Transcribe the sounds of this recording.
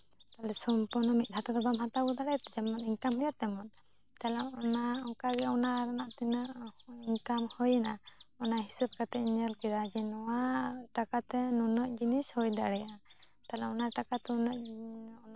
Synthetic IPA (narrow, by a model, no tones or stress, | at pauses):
t̪alɛsɔmpuɾnɔmit̪̚ˀdʰʱat̪ad̪ɔbamɦat̪abɔd̪aɽɛjt̪ɛd͡ʒɛmɔniŋkamhɔjat̪ɛmɔt̪ | t̪alɛɔnaɔŋkaɡɛɔnaɾanaʔt̪inaiŋkamhɔjɛnaɔnaɦisəb̚kat̪ɛɲəlkiɾad͡ʒɛnɔwaʈakat̪ɛnɔnɔʔ̚d͡ʒinishɔjd̪aɽɛjaa | t̪alɛɔnaʈakat̪ɛnɔʔɔn